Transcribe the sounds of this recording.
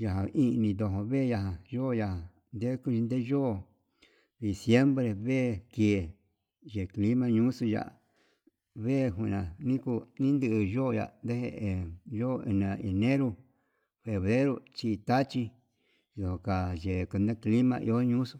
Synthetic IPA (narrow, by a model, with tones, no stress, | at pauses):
ja˨ɦã˨ʔi˦˧nĩ˧d̪o˧ɦõ˧βe˦˧ja˧ɦã˨ʒo˦˧ja˧hã˨ | nd̪e˦ku˧ʒi˧nd̪e˦ʒoː˦˧˨ | ði˨sje˦mbɾe˧βe˦˨ke˨ | ʒe˨kli˦mã˧ɲũ˦su˧ja̰˧˨ʔa̰˨ | βe˦˨ɦũ˧˨nã˨nĩ˦ku˧nĩ˦nd̪ɨː˦˧˨ʒo˦˧ja̰˨nd̪e˦he˧ʔe˨ʒo˦˧ḛ˧˨nã˧˨e˨nẽ˦ɾu˧ | fe˨βɾe˦ɾo˧t͡ʃi˧t̪a˦t͡ʃi˧ | d̪o˨o˨ka˨ʒe˨ku˧nd̪ẽ˦kli˦mã̰˧ʔḭ˧o˦ɲũ˦su˧